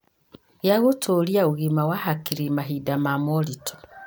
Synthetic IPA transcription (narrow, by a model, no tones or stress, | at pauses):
jaɣotʰoliaoɣimawahakiɾimaɦidamamɔlitʰo̥